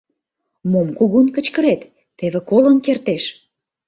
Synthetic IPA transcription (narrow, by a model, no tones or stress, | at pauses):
momkuɣunkə̆t͡ɕkə̆ɾet̪ː | eβĕkolənkert̪eʃ